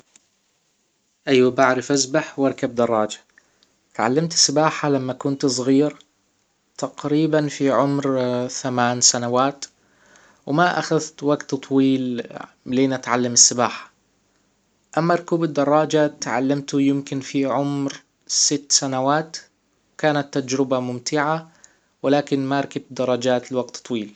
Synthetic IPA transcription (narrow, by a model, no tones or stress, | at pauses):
ʔajwabaʕɾɪfʔazbaħwɑɾˤkab̚d̪ɑrˤːɑːd͡ʒḁ | t̪ʕa̰lːamt̪ɪ̥sːɪbaːħalamːakʊnt̪sˤɣiːɾ | t̪aqɾiːbanfiʕʊmɾθamaːnsanawaːt̪ | wmaʔa̰xaðt̪waɡt̪t̪ˤːwiːl | leːnʔat̪ʕalːamɪsːɪbaːħḁ | ʔamːaɾˤkuːbɪd̪ːɑrˤːɑːd͡ʒat̪ʕa̰lːamt̪ʊjɪmkɪnfiʕʊmɾ | sɪt̪ːsanawaːt̪ | wkaːnat̪ːad͡ʒɾɪbamʊmt̪ɪʕa | wɪlaːkɪnmaɾˤkɪbd̪ɑrˤːɑd͡ʒaːt̪lwaɡ̚t̪t̪ˤwiːl